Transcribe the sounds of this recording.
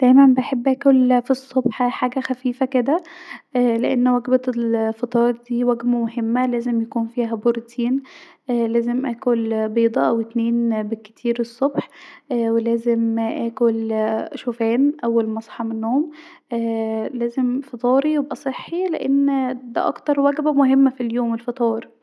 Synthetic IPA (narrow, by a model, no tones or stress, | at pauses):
d̪̥æjmæmbeħebːʔæːkolfisˤːobħħaːɡæxæfiːfæked̪æʔæleʔenːwæɡbæelfɑt̪ˤɑːɾˤd̪iːwæɡmæmohemːælæːzemjækuːnfiːɦæboɾt̪ʰiːnʔlæːzemʔæːkolbiːd̪ˤɑʔæwet̪neːnbekːe̥t̪ʰiːɾesˤːobħʔwelæːzemʔæːkolʃofæːnʔæwːælmɑsˤħɑmenːoːomʔæːlæːzemfɑt̪ˤɑːɾijebʔæsˤeħːilḛʔenːd̪æ̰ʔɑ̰kt̪ɑɾˤwæɡbæmoɦemːæfiljoːmelfɑt̪ˤɑːɾ